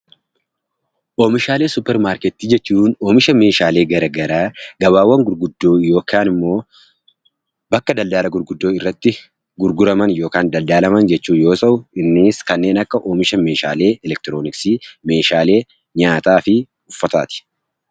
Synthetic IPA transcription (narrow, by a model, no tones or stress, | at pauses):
ʔoːmɪʃaːle̞ːsʊpːɛɾmaːɾkɛt̪ːiːd͡ʒɛt͡ʃːuːnoːmɪʃɐme̞ːʃaːle̞ːɡɐɾɐɡɐɾaːɡɐβaːwːɐŋɡʊɾɡʊd̪ːo̞ːɪjo̞ːkaːnɪmːo̞ː | bɐkːɐd̪ɐld̪aːlɐɡʊɾɡʊd̪ːo̞ːɪrːɐt̪ːɪ | ɡʊɾɡʊɾɐmɐnjo̞ːkaːnd̪ɐld̪aːlɐmɐnd͡ʒɛt͡ʃːuːnjo̞ːsɐʔʊɪnːɪːskɐnːe̞ːnɐkːɐʔoːmɪʃɐme̞ːʃa̰ːle̞ːɛlɛk̚t̪ɪɾoːnɪksiːme̞ːʃaːle̞ː | ɲaːt̪aːfɪ | ʊfːɐt̪aːt̪ɪ̥